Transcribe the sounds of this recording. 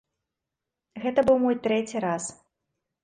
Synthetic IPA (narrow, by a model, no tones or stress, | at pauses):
ɣɛt̪ɐbɨwmɔjt̪ɾɛt͡sʲiɾas